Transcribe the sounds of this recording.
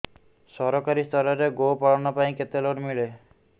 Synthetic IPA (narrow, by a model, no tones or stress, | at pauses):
sɔɾɔkaɾist̪ʰɔɾɔɾeɡopaɭɔnɔpaĩket̪eloʈmiɭe